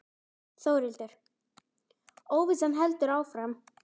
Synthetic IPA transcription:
θoːwɾɪlt̪ɪɾ̥ | oːwvɪsɛmɦɛlt̪ʏɾaːwfɾam

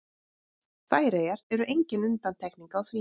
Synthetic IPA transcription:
θaːjɾejaɾɛɾʏʔejɲcɪnʏnt̪an̥t̪ʰɛkniŋkaawsviː

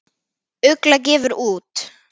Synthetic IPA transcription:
œklac̬ɛːvʏɾuːt̪

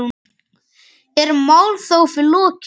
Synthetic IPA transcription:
ɛɾmaːwlθowfɪlɔːc

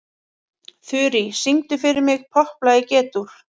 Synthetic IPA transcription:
θʏːɾisiŋt̪ʏfɪɾɪɾmɪɣpʰɔhplajɪcɛːt̪uɾ̥

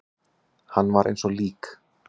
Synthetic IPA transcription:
hanːvaɾḛjnsɔliːk

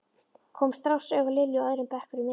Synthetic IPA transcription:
kʰɔːmst̪ɾawsœːɣalɪljɔœːðɾʏmpɛhkʏɾʏnɛ

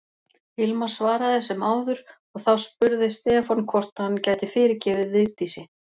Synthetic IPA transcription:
ɪlmḁsvaːɾaθɛsːɪmaːwðʏɾ̥ | ɔɣθawspʏɾðɪst̪ɛːfankʰvɔr̥t̪ahanːcaːjt̪ɪfɪːɾɪɾcɛːvɪðɪt̪isɪ

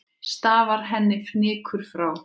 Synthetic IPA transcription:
st̪aːvaɾ̥ɦɛnːɪfnɪːkʰʏɾ̥fɾaw

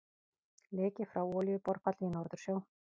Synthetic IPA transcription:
leːcɪfɾawɔːljvʏpɔɾpʰat̪lvɪnɔɾðʏɾ̥sjoːw

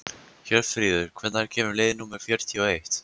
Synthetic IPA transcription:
çɛɾfɾiːðʏɾ̥kʰvɛt̪naɾcʰɛːmʏɾlejðɪnuːmɛɾ̥fjœɾ̥t̪ʰiɔejht̪

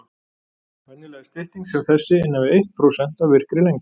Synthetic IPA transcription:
vɛnːɪlɛɣast̪ɪht̪iŋksɛmθɛsːɪɪnːavɪejht̪̚pʰɾowsɛn̥t̪avvɪr̥kɾɪlejŋk

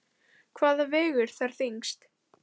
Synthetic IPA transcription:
kʰvaːðavɛːɣʏɾ̥θaɾ̥θiŋkst̪

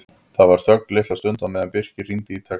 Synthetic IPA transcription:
θaðvaɾ̥θœk̚nlɪːht̪ast̪œnt̪amɛðanpɪr̥cɪrint̪ɪiːt̪ʰaː

